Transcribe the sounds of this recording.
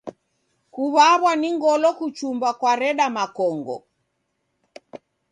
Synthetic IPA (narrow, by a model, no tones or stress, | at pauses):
kuβaβwaniŋɡɔlɔkut͡ʃumbakwaɾɛɗamakɔŋɡɔ̰